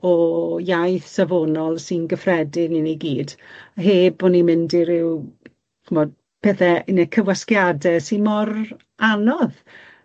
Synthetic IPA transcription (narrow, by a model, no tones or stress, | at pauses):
ɔjajθsavonɔlˠsɪnɡəfrɛdɪnɪniɡiːdɦeːbɔnimɪndɪɾɪw | χumɔd̚ | pʰɛθɛənəkʰəwaskjadɛsinmɔr | anɔð